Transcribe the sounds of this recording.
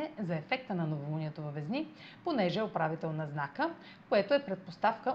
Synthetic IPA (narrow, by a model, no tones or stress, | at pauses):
ɛzɐɛfɛk̚t̪ənɐnovolˠuniɛt̪ovɐvɛzni | ponɛʒɛopɾavit̪ɛlˠnɐznakə | koɛt̪oɛpɾɛt̪̚post̪afkə